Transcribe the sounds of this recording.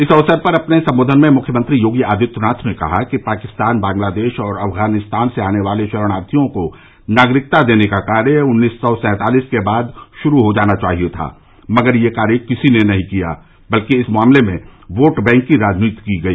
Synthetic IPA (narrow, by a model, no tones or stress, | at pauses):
ɪsɐʋsəɾpɐɾɐpnesɐ̃mboːd̪ʱənmẽmʊkʰjəmə̃nt̪ɾijoːɡiaːd̪ʱɪt̪ʊnaːt̪ʰmẽkɐ̰ɦakipaːkɪst̪aːnbãːŋɡlaːd̪eːʃɔːɾɐfɡaːnɪst̪aːnseaːneʋaːleʃɐɾəɽ̃aːɾt̪ʰijõko | naːɡɾɪk̚t̪ad̪eːnekakaːɾjəʊnːiːsːɔsɛ̃ːt̪aːliːskebaːd̪ʃʊɾuɦod͡ʒaːnat͡ʃaːɦijot̪ʰa̰ː | mɐɡəɾjekaːɾjəkɪsinenɐɦĩkija̰ː | bɐlkeɪsmʊaːmlemẽʋoːʈbɛ̃ːŋkːiɾaːd͡ʒniːt̪kiɡɐiː